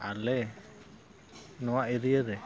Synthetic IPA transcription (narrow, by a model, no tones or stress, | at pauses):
a̰lɛ | nɔwaʔeɾijɛɾɛ